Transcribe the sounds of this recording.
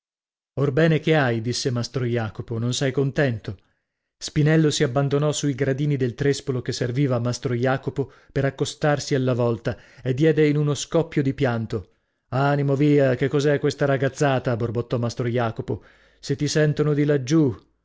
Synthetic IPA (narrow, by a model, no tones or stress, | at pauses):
orbɛːnekeajd̪isːemast̪ɾojaːkopononsajkont̪ɛnt̪o | spinɛlːosiabːand̪onɔsuiɡɾad̪iːnid̪elt̪ɾespolokesːerviːvamast̪ɾojaːkopo | peɾakːost̪arsialːavɔlt̪a | ed̪ːjɛːd̪einunoskɔpːjod̪ipjant̪o | animoviːakekːɔzɛkːwest̪aɾaɡat̪sːaːt̪aborbot̪ːɔmast̪ɾojaːkopo | set̪ːisɛnt̪onod̪ilad͡ʒːu